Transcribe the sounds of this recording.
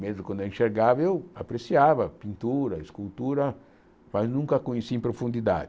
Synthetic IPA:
mezʊkwɐ̃nd̪ɛĩʃeɾɡavɐewa̰pɾesiavɐpĩnt̪uɾɐeskult̪uɾɐ | maznũŋkɐkõɲesiẽpɾofũnd̪id̪a̰d̪

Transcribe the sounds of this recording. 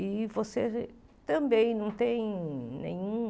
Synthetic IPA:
ivose | t̪ɐ̃mbẽj̃nɐ̃w̃t̪ẽj̃nḛ̃ɲũ

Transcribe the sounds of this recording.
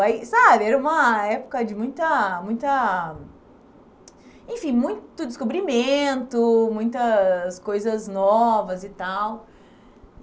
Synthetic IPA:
ajsabɪɛɾɐũmɐɛpo̥kɐd͡ʒɪmũj̃t̪ɐmũj̃t̪ɐ | ẽfĩmũj̃t̪ʊd̪ɪskobɾimẽnt̪ʊmũj̃t̪ɐskojzɐznɔvɐzɪt̪aw

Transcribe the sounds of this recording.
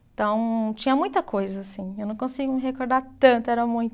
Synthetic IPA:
t̪ɐ̃w̃t͡ʃĩɲɐmũj̃t̪ɐkojzɐːsĩewnɐ̃w̃kõsiɡʊmɪɦekoɾd̪aɾt̪ɐ̃nt̪ʊɛɾɐmũj̃t̪

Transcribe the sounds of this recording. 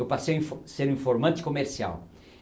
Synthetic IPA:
ewpasejĩfseɾũĩfoɾmɐ̃nt͡ʃ̪ɪ̥komeɾsia̰w

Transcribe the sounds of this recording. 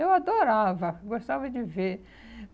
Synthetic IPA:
ewad̪oɾavɐɡost̪avɐd͡ʒɪveɾ

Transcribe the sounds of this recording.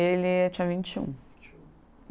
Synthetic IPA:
elɪt͡ʃiãvĩnt͡ʃiṵ̃

